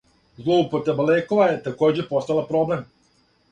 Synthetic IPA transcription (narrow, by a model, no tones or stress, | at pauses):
zlˠoupot̪ebalekoʋajet̪akoːd͡ʑepost̪alapɾoblem